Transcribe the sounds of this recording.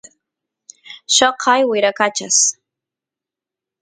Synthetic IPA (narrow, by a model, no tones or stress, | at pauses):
ʃɑqʰɑjwɪɾakat͡ʃas